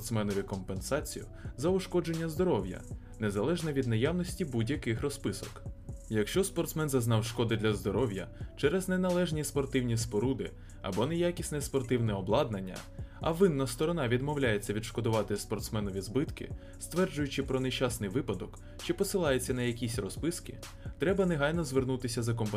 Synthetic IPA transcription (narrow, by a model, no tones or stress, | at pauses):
t̪smɛnɔʋʲikɔmpensɑt͡sʲijʊ | zɐʊʃkɔd͡ʒe̞nʲːɐzd̪ɔɾɔwjɐ̰ | nezɐlˠɛʒnɐʋʲid̪nɐjawnɔsʲtʲibudʲjɐkɪxrɔspɪsɔkjɐkʃt͡ʃɔspɔrt̪smɛnzɐznɑwʃkɔd̪ɪd̪lʲɐzd̪ɔɾɔwjɐ̰t͡ʃɛɾɛznɛnɐlˠɛʒnʲispɔrt̪ɪwnʲispɔɾud̪ɪ̰ | ɐ̰bɔnɛjakʲisʲnɛspɔrt̪ɪwnɛɔblˠɑd̪̚nɐnʲːɐ̰ɐ̰ʋɪnːɐst̪ɔɾɔnɑʋʲid̪mɔwlʲajet͡sʲːɐʋʲid̪ʃkɔd̪ʊʋɑt̪ɪspɔrt̪smɛnɔʋʲizbɪt̪kɪ̰ | st̪ʋɛrd͡ʒʊjʊt͡ʃɪpɾɔneʃasnɪjʋɪpɐd̪ɔk | t͡ʃɪpɔsɪlˠɑjet͡sʲːɐnɐjɐkʲisʲrɔspɪskɪ | t̪ɾɛbɐneɦɑjnɔzʋernut̪ɪsʲɐzɐk̬ɔmp